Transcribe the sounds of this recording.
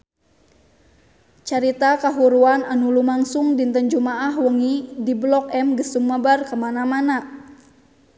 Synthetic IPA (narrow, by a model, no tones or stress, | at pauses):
t͡ʃaɾit̪akaɦuɾuananulumaŋsuŋdint̪ənd͡ʒumaʔahwəŋidiblɔkɛmɡəsumːəbarkəmanamana